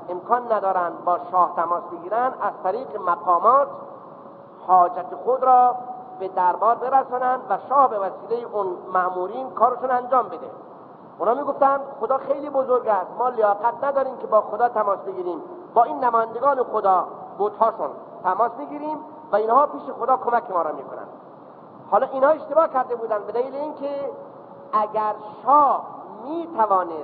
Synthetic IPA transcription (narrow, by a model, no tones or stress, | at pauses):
emkʰɒːnːæd̪ɒːɾænd̪̚bɒːʃɒːht̪ʰæmɒːsbeɡiːɾænd̪æzt̪ʰæɾiːqemæqɒːmɒːt̪ | hɒːd͡ʒæt̪ʰexod̪ɾɒː | bed̪æɾbɒːɾbe̞ɾæsɑnænd̪væʃɒːhbevæsiːlejeʔunmæʔmuːɾiːnkʰɒːɾeʃunænd͡ʒɒːmbed̪ḛ | ʔunhɑːmiːɡoft̪ænd̪χod̪ɒːxejliːbozoɾɡæst̪mɒːlejɒːqæt̪næd̪ɒːɾiːmkʰebɒːxod̪ɒːt̪ʰæmɒːsbeɡiːɾiːmbɒːinːæmɒːjænd̪eɡɑːnexod̪ɒːbot̪hɒːʃun | t̪ʰæmɒːsmiːɡiːɾiːm | væinhɒːpiːʃexod̪ɒːkʰomækʰemɒːɾɒːmiːkʰonæ̰nd̪ | hɒːlɒːʔiːnhɑːe̞ʃt̪e̞bɒːhkæɾd̪ebuːd̪ænd̪be̞d̪æliːleiːnkʰe | æɡʲæɾʃɒːhmiːt̪ʰævɒːne